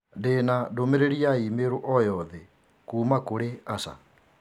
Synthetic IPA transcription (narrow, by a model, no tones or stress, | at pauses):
denadomeɾeɾiaimeɾoʔɔjɔðɛ | kuːmakoɾeasa̰